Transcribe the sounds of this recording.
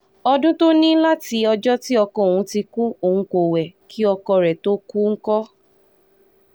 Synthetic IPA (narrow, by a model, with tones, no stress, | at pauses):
ɔ˧dũ˦to˦nĩ˦la˦ti˧ɔ˧d͡ʒɔ˦ti˦ɔ˧kɔ̃˧˨o˨wũ˨˦ti˧ku˦o˨hũ˧ko˨wɛ˨kʰi˦ɔ˧kɔ˧ɾɛ˨to˦ku˦ŋ̩˦kɔ˦